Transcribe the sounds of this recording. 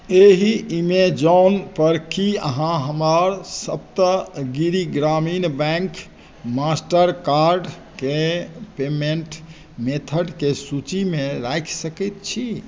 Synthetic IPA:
eɦiimed͡ʒɔnpəɾkiəɦãɦəmaɾsəbt̪əɡiɾiɡɾaminbɛ̃ŋk | masʈəɾkaɾɖ | kepemeɳʈ | met̪ʰəɖkesut͡ʃimeɾajkʰsəkɛt̪̚t͡ʃʰi

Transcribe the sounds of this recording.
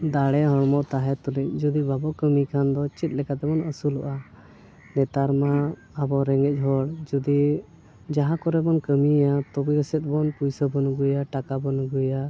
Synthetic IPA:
d̪aɽɛɦɔɽmɔʔt̪aɦɛt̪ulic̚d͡ʒud̪ibabɔkəmikʰand̪ɔt͡ʃit̪̚lɛkat̪ɛbɔnəsulɔ̰ʔa | nɛt̪aɾma | əbɔɾɛŋɡɛc̚ˀɦɔɽd͡ʒud̪i | d͡ʒaɦãkɔɾɛbɔnkəmijat̪ɔbiɡəsɛt̪̚ˀbɔnpujsəbɔnuɡujaʈakabɔnuɡuja

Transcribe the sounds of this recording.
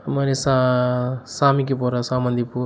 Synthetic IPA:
mɐɾesa | saːmikipɔɾasamɐnd̪ʱipu

